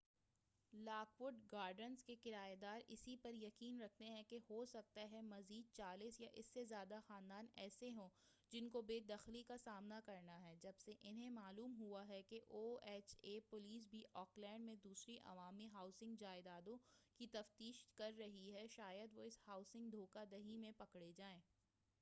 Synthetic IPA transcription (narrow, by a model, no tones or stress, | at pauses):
laːkʋʊɖɡaːɾɖənzkekɪɾaːed̪aːɾɪ̰sipɐɾjɐkiːnɾɐk̚ʰt̪eɦɛ̃kehosɐk̚t̪aɦɛmɐziːd̪̚t͡ʃaːlisjaʔɪsːezjaːd̪axaːnd̪aːnɛ̰ːseɦõː | d͡ʒɪnkobeːd̪ɐxlikasaːmnakɐɾnaɦɛd͡ʒɐbseʔɪnɦẽmaːluːmɦuaɦɛkeʔoːɛːt͡ʃeːpʊliːs̬bʱiʔɔːklɛ̃ːɳɖmẽd̪uːsɾiʔɐ̰ʋaːmiɦaːʊsɪ̃ŋɡd͡ʒaːɪd̪aːd̪õkit̪ɐft̪iːʃkɐɾːɐɦiɦɛʃaːjəd̪ʋoɪshaːʊsɪ̃ŋɡd̪ʱoːkad̪ɐɦimẽpɐkɽed͡ʒaːẽː